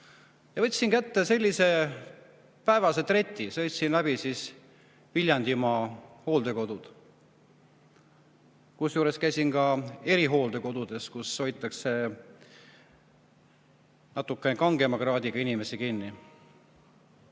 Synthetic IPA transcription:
jɑvɤt̪ʲːsiŋkæt̪ːe̞se̞lʲːise̞ | pæevɑse̞t̪re̞t̪ʲːˑisɤjt̪ʲsinlæbisiːs | vilʲjɑnd̪imɑho̞ːld̪̥e̞ko̞d̪̥ud̪̥ | kusjuːɾe̞skæjsinkɑe̞ɾiɦo̞ːld̪e̞ko̞d̪̥ud̪̥e̞skusːo̞jt̪ːˑɑkse̞ | nɑt̪ːˑukːˑenekɑŋɡ̥e̞mɑɡrɑːd̪iɡ̥ɑinime̞sikinːi

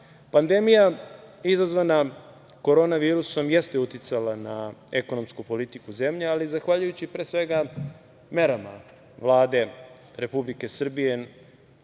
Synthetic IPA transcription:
pand̪e̞mijaizazʋana | ko̞ɾo̞ːnaʋiːɾuso̞mje̞st̪e̞ut̪it̪salanaeko̞no̞mskupo̞lit̪ikuze̞mʎealizaxʋaʎujut͡ɕipɾe̞ːsʋe̞ɡa | me̞ɾama̰ | ʋlˠaːd̪e̞ | ɾe̞publike̞sr̩bije̞

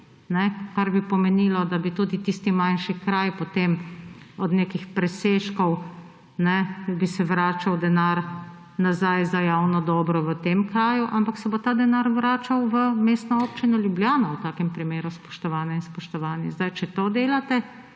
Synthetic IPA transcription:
nɛkaɾbipɔmɛniːlɔd̪abit̪uːd̪it̪ist̪imanʃikɾajpɔt̪eːmɔd̪neːkixpɾɛseːʃkɔw | nɛbisɛʋɾaːt͡ʃawd̪ɛnaɾ | nazajzajawnɔd̪ɔːbɾɔʋət̪eːmkɾaːjuʔampaksɛbot̪aːd̪ɛnaɾʋɾaːt͡ʃawʋəmeːst̪nɔoːpt͡ʃinɔljubljaːnɔwt̪aːkɛmpɾimeːɾuspɔ̥ʃt̪ɔʋaːnjainspɔʃt̪ɔʋaːnjɛzd̪ajt͡ʃɛt̪od̪eːlat̪ɛ

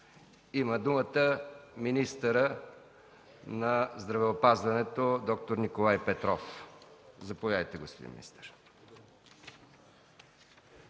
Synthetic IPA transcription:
iməd̪umət̪əminist̪əɾə | nɐzd̪ɾɐvɛopazvɐnɛt̪od̪ɔk̚t̪oɾnikolˠajpɛt̪ɾɔf | zɐpovʲjaəjt̪ɛɡospod̪ḭnmḭnḭst̪ɛ̥ɾ

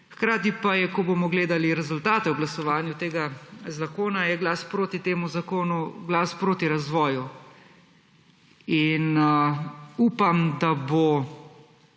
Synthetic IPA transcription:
xkɾaːt̪ipajɛkɔboːmɔɡleːd̪aliɾɛzʊlt̪aːt̪ɛwɡlasɔʋaːnjut̪eːɡazakoːnajɛɡlaːspɾoːt̪it̪eːmuzakoːnuɡlaːspɾoːt̪iɾazʋɔːju | in | uːpamd̪abo

